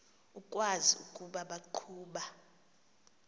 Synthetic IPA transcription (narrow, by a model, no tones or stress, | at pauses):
ukʼwaziṵkʼuɓaɓaǃʰuːɓa